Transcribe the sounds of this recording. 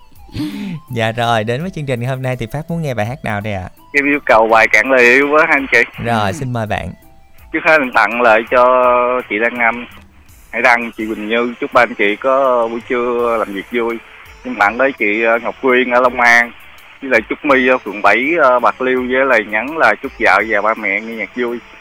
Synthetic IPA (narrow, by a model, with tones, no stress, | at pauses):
za̰ː˧˨zo˨˩jɗe˨˦nvəː˨˦jt͡ɕɨ˧ŋt͡ɕi˨˩ŋ˨˩ho˧mna˧jt̪ʰi˨˩faː˦˥p̚mu˨˦ənŋɛ˧ɓaː˨˩jɦaː˦˥k̚naː˨˩wɗə˧˩jʔa̰ː˨˩kɛ˨˧˦wi˧˦kə˨˩wɓaː˨˩jkaː˧˩ŋlə˨˩ʔi˧wvəː˨˦ɦa˧nt͡ɕḭ˧˨zo˨˩jsi˧nməː˨˩jɓa̰ː˧˨n | t͡ɕɨ˦˥əkhe˦˥˧nt̪a̰˧˨nlə̰ː˧˨jt͡ɕɔ˧t͡ɕḭ˧˨ɗaː˧ŋna˧m | ha˧˦jɗa˧ŋt͡ɕḭ˧˨wï˨˩ŋ̟ɲɨ˧t͡ɕu˦˥k͡p̚ɓaː˧nt͡ɕḭ˧˨kɔ˨˦˧vṵ˧˩˦t͡ɕɨ˧əlaː˨˩mvi˨˩ək̚zu˧j | ɲɨ˧ŋɓ̪a̰ː˧˨nləː˨˦jt͡ɕḭ˧˨əː˨˧ŋa˨˩wk͡p̚kwi˧ənʔəː˧˦lə˧wŋ͡mʔaː˧ŋ | i˧˦lə̰˧˨˩jt͡ɕʊ˦˥k͡p̚mi˧ɔ˧fɨ̰˨˧˩əŋɓa˧˩jəː˧ɓa˨˩t̚li˧wzəː˨˦lə˨˩jɲa˨˦nlaː˨˩t͡ɕʊ˦˥k͡p̚za̰ː˧˨zaː˨˩wɓaː˧mɛ̰˧˨ŋi˧ɲaː˨˩k̚zu˧j